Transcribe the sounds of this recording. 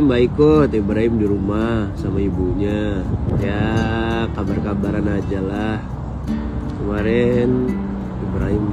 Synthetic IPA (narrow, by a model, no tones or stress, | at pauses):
mbaikɔt̪ibɾaɦɪmdiɾumahsamaibuɲaja | kabarkabaɾanad͡ʒalah | kəmaɾɛn | ibɾaɦɪm